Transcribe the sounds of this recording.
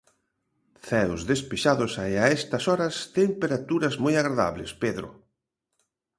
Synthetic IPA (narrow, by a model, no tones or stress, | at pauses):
θɛwzðespeʃaðʊsaeaɛst̪ɐsɔɾɐst̪empeɾat̪uɾɐzmɔjaɣɾaða̰βlɪ̰speðɾʊ̰